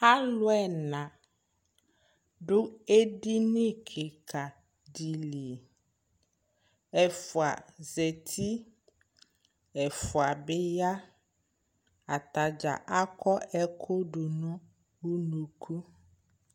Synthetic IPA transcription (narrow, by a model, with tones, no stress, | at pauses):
a˦lʊ˦ɛ˨nã˨ | dʊ˦e˦di˦nɪ˦kʰɪ˨kʰa˨ | di˨li˨ | ɛ˨fʊ˨a˨ze˨tʰi˦ | ɛ˨fʊ˨a˨bɪ˦ja˦ | a˨ta˨d͡ʒa̰˨ʔa˦kɔ˦ɛ˦kʰʊ˦dʊ˨nʊ̃˦ | wu˦nu˨kʰu˦